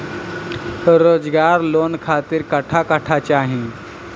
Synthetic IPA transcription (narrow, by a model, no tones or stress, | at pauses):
ɾoːd͡zɡaɾlonkʰat̪iːɾkəʈʰakəʈʰat͡ɕaɦĩ